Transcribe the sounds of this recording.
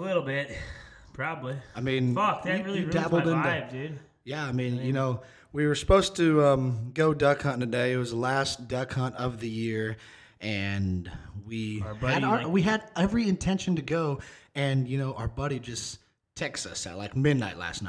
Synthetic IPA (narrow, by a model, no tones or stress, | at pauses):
əlɪɾl̩ˠbɪt̚pʰɹ̥ɑbəbliaɪmĩnʌkɹˠidæbl̩ˠdɨ̃nvdɪd̥̚ | jæaɪmĩnjɨnoʊ | wiwə˞sə̥poʊstʰɨʌ̃mɡoʊdʌkʰɑ̃ntʰɨdeɪɨt̚wʌzðəlæsd̥ʌkʰɑ̃ntʌvðɨjɪɹ | ɨ̃nwiɨɾwiɨɾɛvɹiɨ̃ntʰɛ̃nʃɨn̩tɨɡoʊɨ̃njɨnoʊʔaʊə˞bʌɾid͡ʒʌs | tʰɛksʌ̰slaɪk̚mɪdⁿna̰ɪʔˡlæ̰stnaɪt